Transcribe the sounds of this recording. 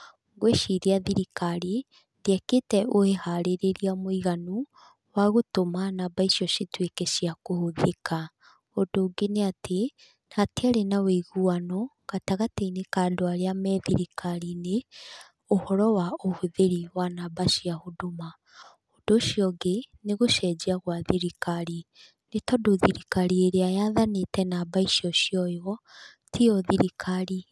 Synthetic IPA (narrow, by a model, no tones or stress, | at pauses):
ɡweʃiɾiaðiɾikaɾi | deɛketɛʔoehaɾeɾeɾiamoiɣanu | waɣotomanabaiʃiɔʃitwekeʃiakohoðeka | odoːɡeneate | natiaɾenaweiɣuanɔ | ɣataɣateinekadoaɾeamɛðiɾikaɾine | ohɔɾɔwaohuðeɾiwanabaʃiahodoma | odoʃjɔɡeneɣoʃɛd͡ʒiaɣwaðiɾikaɾi | netɔdoðiɾikaɾieɾeajaðanetɛnabaiʃiɔʃiɔjɔ | tʰiɔðiɾikʰaɾi